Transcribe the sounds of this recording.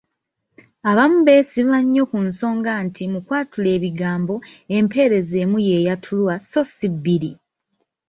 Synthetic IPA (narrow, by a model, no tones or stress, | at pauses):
aβamuβe̞sivaɲːo̞kunso̞ːŋɡaːntʰimukwaːtule̞ːβiɡaːmbo̞e̞mpe̞ɾe̞ze̞ːmuje̞jatʰulwaso̞sibːiɾi